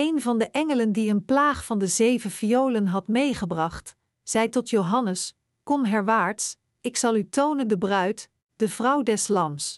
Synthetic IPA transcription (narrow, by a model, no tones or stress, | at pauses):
ejnvɑndəʔɛŋələndiənplaːχfɑndəzejvəfiowlənɦɑtmejχəbrɑχt | z̥ɛjtɔtjowɦɑnəs | kɔnɦɛɹʋaːɹts | ɪksɑlˠytownəndəbrœɥt | d̥əvrʌwdɛslɑms